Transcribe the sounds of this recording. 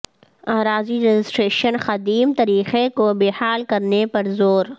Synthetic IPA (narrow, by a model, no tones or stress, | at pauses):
aːɾaːziɾed͡ʒɪsʈɾeːʃənxɐd̪iːmt̪ɐɾiːxekobeːhaːlkɐɾnepɐɾzoːɾ